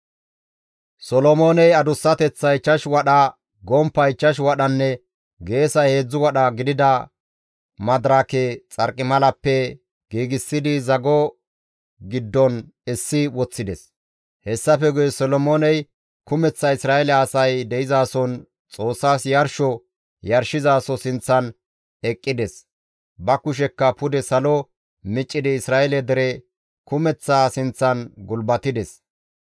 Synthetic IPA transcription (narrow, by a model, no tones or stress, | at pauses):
sɔlɔmoːnɛjɐd̪ʊsːɐt̪ɛt͡sːɐɪt͡ʃːɐʃwɐɗɐ | ɡɔmpːɐɪt͡ʃːɐʃ̬wɐɗɐnːɛ | ɡe̞ːsɐjhe̞ːd͡zːʊwɐɗɐɡɪd̪ɪd̪ɐ | mɐd̪ɾakɛt͡sʼɐɾkʼːɪmɐlɐpːɛ | ɡ̥iːɡɪsːɪd̪ɪzɐɡɔ | ɡɪd̪ːɔnɛsːɪwɔt͡sːɪd̪ɛs | hɛsːɐfɛɡʊjɛsɔlɔmoːnɛj | kʊmɛt͡sːɐɪsɾaːʔɛlɛɐsɐjd̪ɛʔɪzaːsɔn | t͡sʼo̞ːsːaːsjɐɾʃɔ | jɐɾʃɪzaːsɔsɪnt͡sːɐn | ɛkʼːɪd̪ɛs | bɐkʊʃ̬ɛkːɐpʊd̪ɛsɐlɔ | mɪt͡ʃʼːɪd̪ɪɪsɾaːʔɛlɛd̪ɛɾɛ | kʊmɛt͡sːaːsɪnt͡sːɐnɡʊlbɐt̪ɪd̪ɛs